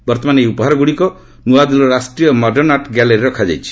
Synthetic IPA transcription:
bɔɾt̪ɔmanejupɔɦaɾɔɡuɽikɔ | nuad̪ilɔɾasʈɾijɔmɔɖɔɾnaʈɡaleɾiɾɔkʰad͡ʒa̰jt͡ʃʰi̥

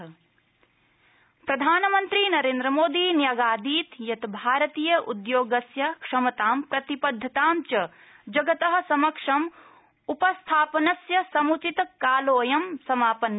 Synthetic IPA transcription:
pɾɐd̪ʱaːnɐmɐnt̪ɾinɐɾeːnd̪ɾɐmoːd̪iːnjɐɡaːd̪iːt̪jɐt̪bʱaːɾɐt̪iːjɐʔud̪joːɡɐsjɐkʂɐmɐt̪aːmpɾɐt̪ipɐd̪ʱːɐt̪aːmt͡ʃɐ | d͡ʒɐɡɐt̪ɐɦɐ̆sɐmɐkʂɐm | upɐst̪ʰaːpɐnɐsjɐsɐmut͡ʃit̪kaːloːjɐmsɐmaːpɐn

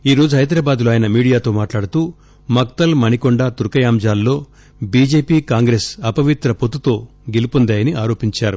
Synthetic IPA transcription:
iːɾo̞ːd͡ʒuɦɐjd̪ɾaːbaːd̪loːaːjɐnɐmiːɽijaːt̪o̞ːmaːʈlaːɽut̪uː | mɐkt̪ɐlmɐnikoɳɖaːt̪uɾkɐjaːmd͡ʒaːlːo̞ː | biːd͡ʒe̞ːpiːkaːŋɡɾeːsɐpɐʋit̪ɾɐpot̪ːut̪o̞ː | ɡelupund̪aːjɐniʔaːɾo̞ːpiɲt͡ʃaːɾu

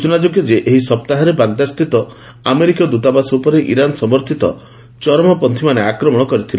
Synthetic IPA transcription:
ut͡ʃunad͡ʒoɡjɔd͡ʒeʔeɦisɔp̚t̪aɦaɾebaɡ̚d̪ast̪it̪ɔ | ameɾikɔd̪ut̪abasɔupɔɾeʔḭɾanɔsɔmɔɾt̪ʰit̪ɔ̰ | t͡ʃɔɾɔmɔpɔnt̪ʰimaneakɾɔmɔɽ̃ɔkɔɾit̪ʰil

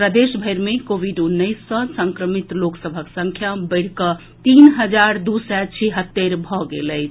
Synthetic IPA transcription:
pɾəd̪esbʱəjɾmekoʋiɖunːəsːə̃səŋkɾəmit̪loksəbʱəksəŋkʰjabəɪɽ̤kə | t̪inɦəd͡ʒaɾd̪usɛt͡ʃʰiɦət̪ːeɾbʱɔɡḛləɪt͡ʃʰ

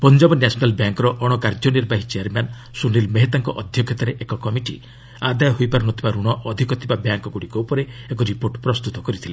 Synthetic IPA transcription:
pɔnd͡ʒɔbɔnjasɔnalbjaŋkɔɾɔʔɔɽ̃ɔkaɾd͡ʒɔniɾbaɦit͡ʃeaɾman | sunilmeɦet̪aŋkɔʔɔd̪ʱjɔɡʰʱjɔt̪aɾeʔekɔkɔmiʈḭ | ad̪ajɔɦojpaɾɔnɔt̪ʰibaɾuɽ̃ɔʔɔd̪ʱikɔt̪ʰibabjaŋkɔɡuɽikɔupɔɾeekɔɾipoɾʈpɾɔst̪ut̪ɔkɔɾit̪ʰile

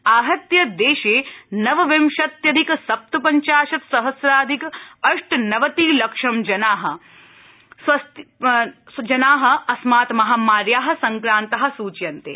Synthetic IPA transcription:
aːɦɐt̪jɐd̪eːʃeːnɐʋɐʋemʃɐt̪jɐd̪iksɐp̚t̪upɐɲt͡ʃaːʃɐt̪sɐɦɐsɾaːd̪ʱikɐʂʈnɐʋɐt̪iːlɐkʂɐmd͡ʒɐnaːɦɐ̆ | sʋɐst̪ | d͡ʒɐnaːɦɐ̆ɐsmaːt̪mɐɦaːmaːɾjaːɦɐ̆sɐŋkɾaːnt̪ɐɦɐ̆suːt͡ʃjɐnt̪ḛː

